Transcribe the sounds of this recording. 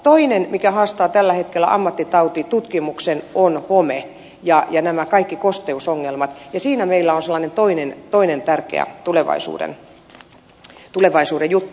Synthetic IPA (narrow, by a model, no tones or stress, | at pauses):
t̪oinenmikæhɑːst̪ɑːt̪ælːæhet̪kelːæ̰ʔɑ̰mːɑt̪ːit̪ɑut̪it̪ut̪kimuksenonhome | jɑjɑnæmækɑikːikost̪eusoŋːelmɑt̪jɑsiːnæmeilːæonselːɑːnent̪oinent̪oinent̪ærkḛæ̰t̪uleʋɑ̰isṵːdḛn | t̪uleʋɑisuːdejjut̪ːu